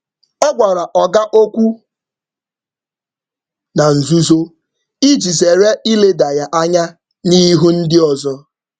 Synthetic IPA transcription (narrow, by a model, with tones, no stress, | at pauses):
ɔ˦ɡʷa˨ɾa˨ʔɔ˨ɡa˦ʔo˦kʷu˦ | na˨n̩˨zu˦zo˦ | i˦d͡ʒi˨ze˨ɾe˦i˦le˦da˨ja˨ʔa˦ɲa˦ | ni˦ɦu˦n̩˦dɪ˦ɔ˨zɔ˦